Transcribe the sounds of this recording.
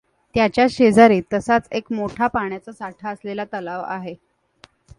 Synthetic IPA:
t̪jat͡ɕjaɕed͡zaɾiːt̪əsat͡sekmoʈʰapaɳjat͡səsaʈʰaəslelat̪əlaʋa̰ɦe

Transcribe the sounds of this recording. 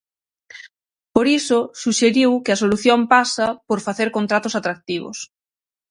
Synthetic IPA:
poɾisʊsuʃeɾiwkɪɐs̬oluθjompasɐpoɾfaθeɾkont̪ɾat̪ʊsat̪ɾak̚t̪iβʊ̰s

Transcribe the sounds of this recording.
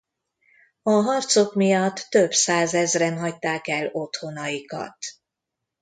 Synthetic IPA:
ɒɦɒrt̪so̞kmijɒt̪ːøbsaːzɛzrɛnɦɒc̚t̪aːkɛlo̞t̪ho̞nɒjikɒ̰t̪

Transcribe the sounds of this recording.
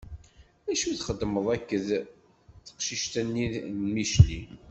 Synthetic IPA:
æʃuθχəd̪ːməðˤækːəð | θə̥qʃiʃt̪ænːimiʃli

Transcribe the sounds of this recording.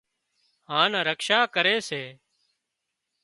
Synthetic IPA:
ɦãːnaːɾəkʃaːkəɾeːseː

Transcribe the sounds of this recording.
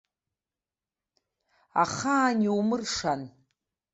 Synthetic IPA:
a̰χaːniumɨrʂan

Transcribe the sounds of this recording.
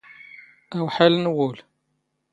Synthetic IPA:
æwħalnwʊl

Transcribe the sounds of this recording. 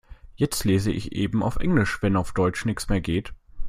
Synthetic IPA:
jɛt͡stleːzəʔɪ̰çʔeːbm̩a̰ʊfʔɛ̰ŋlɪʃv̥ɛnaʊfd̥ɔʏt͡ʃnɪçt͡smeːɐɡeːt

